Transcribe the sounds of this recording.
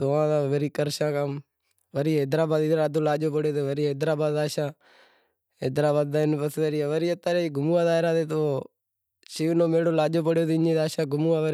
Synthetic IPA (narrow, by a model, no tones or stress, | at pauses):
t̪oːãːt̪aːʋəɾiːkəɾʃãːkəm | ʋəɾiːɦeːd̪ɾaːbaːd̪iːd̪ɾaːd̪oːlaːʄoːpəɽjoːt̪eːʋəɾiːɦeːd̪ɾaːbaːd̪aːʃãː | ɦed̪ɾaːbaːd̪̚ːaːɪnpəsʋeɾiːaːʋəɾiːət̪ːaːɾeːɡʱʊmuːaːd̪aːɦɪɾaːt̪eːt̪oː | ʃiːʋnoːmeːɽoːlaːʄoːp̬əɽjoːt̪eːɲeːd̪aːʃãːɡʱʊmuːãːʋəɾ